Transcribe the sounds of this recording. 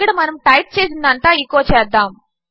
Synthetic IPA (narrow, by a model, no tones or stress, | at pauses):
ɡɐɽɐmɐnɐmʈɐjʈ̚t͡ʃeːs̬ind̪ɐnt̪aːikːoːt͡ʃɛːd̪ːaːm